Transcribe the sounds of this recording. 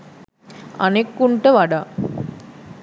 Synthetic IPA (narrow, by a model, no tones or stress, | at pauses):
a̰nekːuɳʈəʋaɖaː